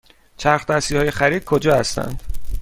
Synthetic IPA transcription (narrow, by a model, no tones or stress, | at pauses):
t͡ʃʰæɾxd̪æsiːhɒːjexæɾiːd̪̥̚kʰod͡ʒɒːhæst̪æ̰nd̪̥